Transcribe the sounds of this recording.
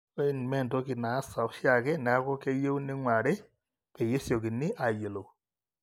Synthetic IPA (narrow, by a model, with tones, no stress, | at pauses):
e˦˨n˨mɛ˦˨nto˦ki˨na˨˦sa˨ɔ˦ʃja˨kɛ˦nɛ˨a˦kɔ˦ke˦je˦u˦ni˦ŋwa˨ɾɛ˦ | ke˨je˦sjo˨ki˨ni˦ʔa˨je˨lo˨